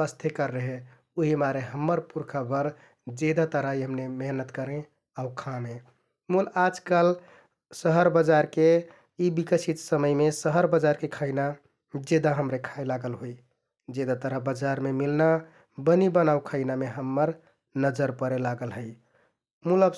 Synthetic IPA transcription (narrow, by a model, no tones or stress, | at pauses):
əst̪ʰekəɾːəɦe | uɦimaɾeɦəmːəɾpuɾkʰəbəɾ | d͡ʒed̪at̪əɾəɦiɦəmnemeɦnət̪kəɾẽ | aukʰamẽ | mulad͡ʒkəl | səɦəɾbəd͡ʒaɾke | ibikəsit̪səməjmesəɦəɾbəd͡ʒaɾkekʰaɪna | d͡ʒed̪aɦəmɾekʰajlaɡəlɦoj | d͡ʒed̪at̪əɾəɦbəd͡ʒaɾmemilna | bənibənaukʰəɪnameɦəmːəɾ | nəd͡ʒəɾpəɾelaɡəlɦəj | muləb